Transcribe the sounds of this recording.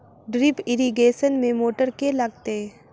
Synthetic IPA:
ɖɾɪpɪɾiɡeːʃənmẽmoːʈəɾkelɐɡ̚t̪e

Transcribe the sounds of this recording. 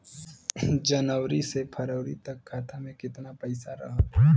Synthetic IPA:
d͡ʒɐnəwɾisepʰɐɾəʊɾit̪ɐkʰːaːt̪ʰamẽkɪt̪napəɪsaɾɐ̰ɦa

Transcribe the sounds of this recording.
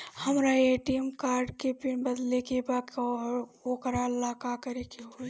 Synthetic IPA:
həmɾaeʈimkaːɾɖkepɪnbəd̪lekebak | okɾalaːkakɐɾekeɦo

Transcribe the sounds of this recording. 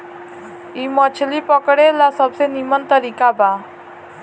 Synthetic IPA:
imɔt͡ʃʰlipɔkɔɽelasɔbsenimɔnt̪ɔɾikaba

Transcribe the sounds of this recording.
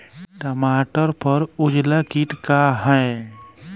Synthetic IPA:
ʈəmaːʈəɾpəɾʊd͡ʒlakiʈkaɦɛː

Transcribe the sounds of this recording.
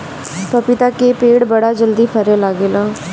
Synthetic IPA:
pəpit̪ãːkeːpeːɽbəɽaːd͡ʒəld̪iːpʰəɾeːlaːɡeːlãː

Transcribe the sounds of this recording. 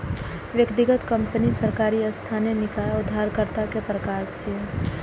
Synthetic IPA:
ʋjəkt̪iɡət̪kəmpənisəɾkaɾiəst̪ʰanenɪkaʊd̪ʱːaɾkəɾt̪akepɾəkaɾt͡ʃʰi

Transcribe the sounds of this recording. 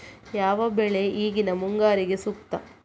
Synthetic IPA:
jaːʋɐbɛɭe̞ʔiːɡinɐmuŋɡaːɾiɡe̞sukt̪ɐ

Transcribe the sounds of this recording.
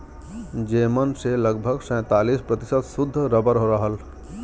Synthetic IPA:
d͡ʒeːmənseləɡbʱəɡsə̃ːt̪aːlispɾət̪ɪsət̪sʊd̪ʱːɾəbəɾɦoɾəɦəl

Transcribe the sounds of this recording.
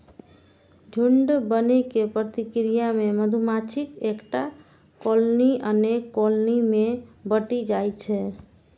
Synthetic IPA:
d͡ʒʱuɳɖbənekepɾət̪ikɾijameməd̪ʱumat͡ʃʰikekʈa | kolniʔənekːolnimebəʈid͡ʒajt͡ʃʰɛ

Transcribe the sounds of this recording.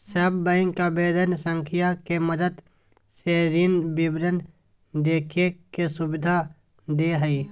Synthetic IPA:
səbbəɪ̃ŋkabeːd̪ənsə̃ŋkʰɪjakeməd̪əd̪ | seːɾinbɪbɾən | d̪eːkʰekesʊbɪd̪ʱa | d̪eɦəi

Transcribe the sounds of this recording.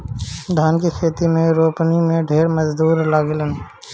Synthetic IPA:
d̪ʱaːnkikʰeːt̪imẽɾoːpnimẽɖʱeːɾməzd̪uːɾlaːɡlən

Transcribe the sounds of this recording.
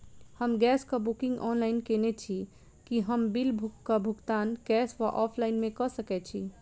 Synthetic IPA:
həmɡɛskəbukĩŋɡɔnlainkenet͡ʃʰi | kiɦəmbilbʱukːəbʱuɡt̪anɡɛsʋaʔɔpʰlainmekəsəkɛt͡ʃʰi

